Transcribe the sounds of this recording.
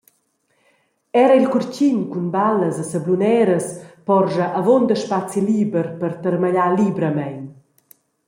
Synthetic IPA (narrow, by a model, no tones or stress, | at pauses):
ɛɾəilkuɾt͡ɕinkunbaləzəsəblunɛɾəspɔrʒəʔavond̪əʃpat͡siliːbəɾpərt̪əɾmaʎalibɾəmɛjn